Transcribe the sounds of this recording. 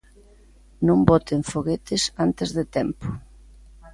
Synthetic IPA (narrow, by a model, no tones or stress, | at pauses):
nõmbɔt̪eɱfoɣet̪ɪsant̪ɪzðɪt̪ɛmpʊ̥